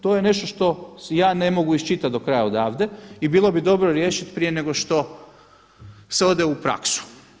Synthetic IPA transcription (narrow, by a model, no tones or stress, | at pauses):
t̪ojene̞ʃt̪o̞ʃt̪o̞jaːnemo̞ɡuist͡ʃit̪at̪d̪o̞kɾajaod̪aːʋd̪e̞ibiːlˠo̞bid̪o̞bɾoɾje̞ːʃit̪pɾije̞ne̞ɡoʃt̪o̞ | se̞o̞d̪eupɾa̰ksu̥